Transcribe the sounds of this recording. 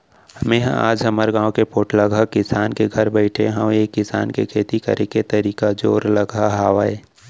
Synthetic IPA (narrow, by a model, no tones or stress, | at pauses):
hɐmẽɦã̰a̰ːd͡ʒɦɐməɾɡãːwkepoːʈlɐɡʱakɪsaːnkeɡʱɐɾbɛɪʈʰḛɦɐ̃weːkːɪsa̰ːnkekʰeːt̪ikɐ̰ɾʔẽket̪əɾiːkad͡ʒoːɾlɐɡaɦaːʋaeː